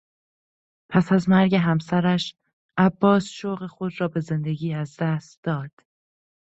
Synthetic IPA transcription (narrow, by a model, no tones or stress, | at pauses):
pʰæsæzmæɾɟe̞ɦæmsæɾæʃ | ʔæbːɒːsʃoɣe̞xo̞d̪ɾɒːbe̞ze̞nd̪e̞ɡiːæzd̪æːst̪d̪ɒːd̪̥